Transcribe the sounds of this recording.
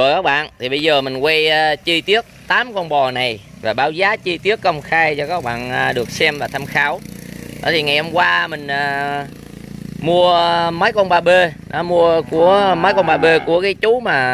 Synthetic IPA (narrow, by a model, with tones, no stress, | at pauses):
u˨˩kaː˦˥k̚ɓa̰ː˧˨nt̪ʰi˨˩ɓə˧jzəː˨˩mï˨˩ŋ̟kwɛ˧jt͡ɕi˧t̪i˦˥ək̚t̪aː˨˦mkɔ˧nɓɔ˨˩na˨˩j | vaː˨˩ɓaː˨˦wzaː˨˦t͡ɕi˧t̪i˦˥əkːə˧wŋ͡mxaː˧jt͡ɕɔ˧kaː˦˥k̚ɓa̰ː˧˨nː˨˩ɗɨ˨˩ək̚sɛ˧mvaː˨˩t̪ʰa˧mxaː˨˦wɔ̰˨˦t̪ʰi˨˩ŋa˨˩jhɔ˧mkwaː˧mï˨˩ŋ̟aː˨˩ | mu˧əməː˨˦jkɔ˧nɓaː˧ɓe˧nɔ˨˦mu˧əku˧˩əməː˨˦jkɔ˧nɓaː˧ɓe˧ku˧˩əkaː˨˦jt͡ɕu˨˦maː˨˩